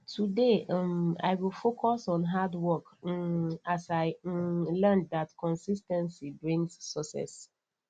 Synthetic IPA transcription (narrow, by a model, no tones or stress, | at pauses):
tʰude | a̰ɪwilˠfokɔsɔ̃nɦadwɔk | asaɪlɛndatkɔ̃nsistɛ̃nsibɹĩŋsːɔsɛ̰s